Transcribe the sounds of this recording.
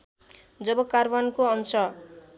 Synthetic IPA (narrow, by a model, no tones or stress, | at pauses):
d͡zʌbʌkarwankoʌnsʰʌ